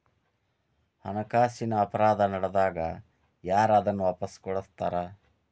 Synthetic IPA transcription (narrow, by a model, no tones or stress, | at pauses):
hɐnɐkaːsinɐːpɐɾaːd̪ɐnɐɽɐd̪aːɡɐ | jaːɾɐd̪ɐnːuʋɐpɐskɔɽɐst̪aːɾa